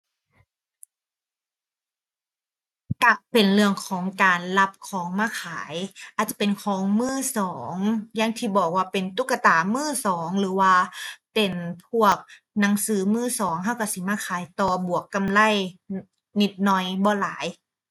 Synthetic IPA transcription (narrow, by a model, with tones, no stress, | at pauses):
ka˧˩pe˨nlɯ˥˧˩əŋkʰɔː˩˦ŋkaː˨nla˧˥p̚kʰɔː˩˦ŋmaː˧˩˨kʰaː˩˦jʔaː˨˩t̪̚t͡ɕa˧˩pe˨nkʰɔː˨˦ŋmɯː˥˩sɔː˩˦ŋja˧˥˩ŋt̪ʰiː˧˩bɔː˨˩k̚waː˧˩pe˨nt̪u˧˥˩kːa˧t̪aː˨˩mɯː˥˩sɔː˩˦ŋlɯː˩˦waː˧pe˨npʰu˥˩ək̚ | na˨˩˦ŋsɯː˨˦mɯː˥˩sɔː˩˦ŋɦa˧˥˩wka˧˩si˧˦maː˧˩kʰaː˨˦jt̪ɔː˨˧˩bu˨˩əkːa˧˨mla˧˥˨j | ni˧˩t̪̚nɔ˧˩jbɔː˧˦laː˩˦j